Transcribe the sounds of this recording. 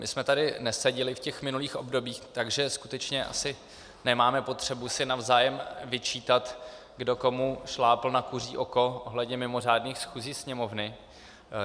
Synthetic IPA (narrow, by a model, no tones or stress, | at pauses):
mɪsmɛt̪adɪnɛsɛɟɪlɪfcɛxmɪnuliːxʔo̞bdo̞biːxt̪aɡʒɛskut̪ɛt͡ʃɲɛʔa̰sɪ | nɛmaːmɛpo̞t̪r̝̥ɛbusɪnavzaːjɛmvɪt͡ʃiːt̪at̪ | ɡdo̞ko̞muʃlaːpl̩nakur̝ḭːʔo̞ko̞ʔoɦlɛdɲɛmɪmo̞r̝aːdniːxsxuːziːsɲɛmo̞vnɪ